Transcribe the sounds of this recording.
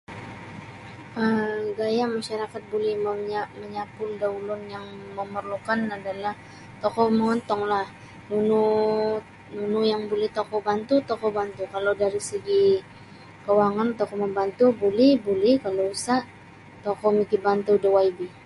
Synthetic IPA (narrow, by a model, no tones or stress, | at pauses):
əɡajamaʃaɾakat̪̚bolɛhməaməɲapʊldaulʊnjaŋməmərlukanadalah | t̪ɔkɔməŋɔnt̪ɔŋlah | nunu | nunujaŋbolɛht̪ɔkɔbant̪ut̪ɔkɔbant̪ukalowdaɾisəɡi | kəwaŋant̪ɔkɔməmbant̪ubolɛhbulɛhkalousaʔ | t̪ɔkɔmikibant̪udəwaibi